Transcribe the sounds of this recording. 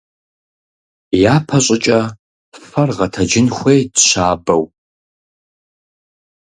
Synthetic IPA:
jaːpʰɐɕʼɪt͡ʃʼɐ | fɐrʁɐtʰɐd͡ʒɪnxʷeːdɕaːbɐw

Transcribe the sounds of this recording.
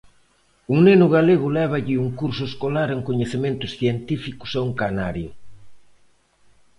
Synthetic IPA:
uŋnenʊɣaleɣʊlɛβ̞aʎɪuŋkuɾsʊeskolaɾeŋkoɲeθemẽnt̪ʊsθjent̪ifikʊ̥sauŋkanaɾjʊ

